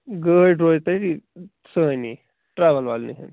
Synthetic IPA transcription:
ɡəɖɾojt̪əʈi | səni | ʈɾaʋəlʋalnḭɦḛn

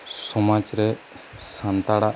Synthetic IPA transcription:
sɔmad͡ʒɾɛ | sant̪aɽa

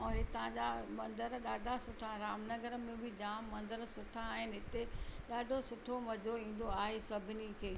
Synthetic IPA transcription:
õɦet̪ɐʋ̤ãd͡ʑamɐ̃nd̪əɾɗaːɖʱasʊʈʰaɾaːmnɐɡəɾəmẽbʱɪd͡ʑaːmːɐ̃nd̪əɾsʊʈʰaːɦɪnɪ̆ɦɪt̪eɗaːɖʱosʊʈʰomɐd͡ʑʱoĩːn̆d̪oaːɦesɐbʱɪnikʰeː

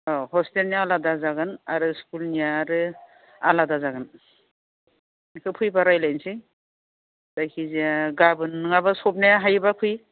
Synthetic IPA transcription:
ɔhɔstelnijaaladazaɡɯna̰ɾɯskulnijaːɾɯ | aladazaɡɯn | kʰɯpʰɯjbaɾajlajnsi | d̥ajkʰiziaɡabɯnɯŋabasɔp̚naaɦajbapʰɯj

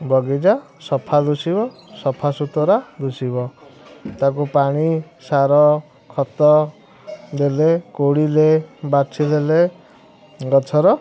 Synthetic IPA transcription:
bʱɔɡid͡ʒa | sɔpʰalusibɔsɔpʰasut̪ɔɾad̪usibɔt̪ak̬upaɽ̃i | saɾɔ | kʰɔt̪ɔ | d̪elekoɽilebat͡sʰilele | ɡɔt͡ʃʰɔɾɔ

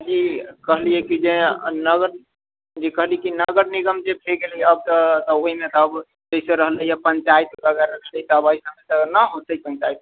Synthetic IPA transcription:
d͡ʒikəɦlijɛkid͡ʒẽnəɡəɾ | d͡ʒekəɦlijɛkinəɡəɾniɡəmd͡ʒebʰʱeɡeljəb̚t̪ət̪əoɦimet̪ːb | d͡ʒəisẽɾəɦləjapəɲt͡ʃajt̪bəɡəɾəkʰləjt̪əbəisəmet̪ənəɦot̪əipənt͡ʃait̪̚

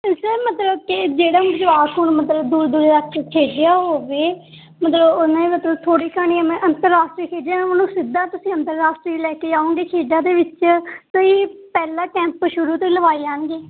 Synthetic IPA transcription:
sɛːmət̪ləb̚kɪd͡ʒeːɽãːbəd͡ʒʋaːtɦuːɳmət̪ləbd̪uːɾd̪uːɾɾaːsʈɾiːkʰeːɖɪjaːɦoːʋeː | mət̪ləbonãːmət̪ləbt̪ʰoːɽiːkʰəɳ̃iːɛːmɛ̃ːʔənt̪əɾːaːsʈɾiːkʰeːd͡ʒjaːonũːsɪd̪aːt̪ʊsĩːənt̪əɾːaːsʈɾiːlɛːkeːd͡ʒaːõːŋɡeːkʰeːɖãːd̪eːʋɪt͡ʃtoːiːpɛːlaːʈɛ̃ːmpəʃʊɾuːt̪oiləʋaːiːd͡ʒaːnɡeː

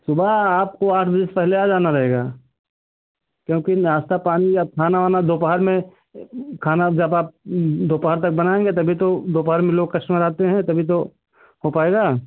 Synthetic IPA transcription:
sʊbʱaaːp̚koaːʈʰbɐd͡ʒəspɛɦlead͡ʒaːnaɾɐɦeːɡaː | kjõːkiaːst̪apaːniab̚kʰaːnaʋaːnad̪oːpəɦəɾmẽ | kʰaːnad͡ʒəbaːp̚d̪ʱoːpaɦəɾt̪ɐk̚bɐnaːẽːŋɡet̪ɐbʱit̪od̪oːp̬əɦəɾmẽloːɡ̚kɐʃʈmẽɾɐɦt̪eɦɛ̃t̪ɐbʱit̪̬o | ɦopaːeːɡaː

